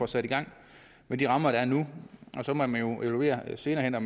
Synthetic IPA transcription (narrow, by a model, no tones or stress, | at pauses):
ɒ̽sæɾ̥iɡ̥ɑ̈ŋ̰ | med̥iʁɑ̈mɐɾ̥ɑɐnuʔɒ̽sɒ̽mɒ̽mænjo̝ʔe̝ʋælue̝̰ːɐse̝ːnɐːhen̰ɒ